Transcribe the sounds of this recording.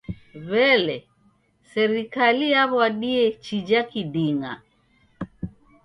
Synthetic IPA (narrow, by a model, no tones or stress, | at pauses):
βɛlɛ | sɛɾikalijaβwaɗiɛt͡ʃid͡ʒakiɗiŋa̰